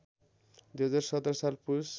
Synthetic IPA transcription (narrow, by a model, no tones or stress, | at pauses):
d̪uɦʌd͡zaɾsʌt̪ɾʌsalpus